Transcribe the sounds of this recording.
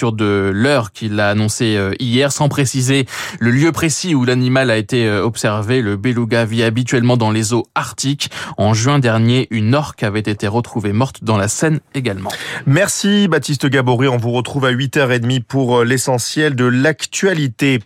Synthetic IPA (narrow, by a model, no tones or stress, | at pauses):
yʁd̪əlœʁkʲʰilːaːnɔ̃seøijɛʁsɑ̃pχesizeləljøpχesiulanimalaet̪eøɔpsɛʁveləbeluɡaviabit̪ɥɛlmɑ̃d̪ɑ̃lezoaʁt̪ikɑ̃ʒɥɛ̃d̪ɛʁnjeʔynɔʁkavɛt̪et̪eʁət̪χuvemɔʁt̪d̪ɑ̃lasɛneɡalmɑ̃mɛʁsibat̪is̬t̪əɡaboʁiɔ̃vuʁət̪χuvaɥit̪œʁed̪mipuʁlesɑ̃sjɛld̪əlakt̪ɥalit̪e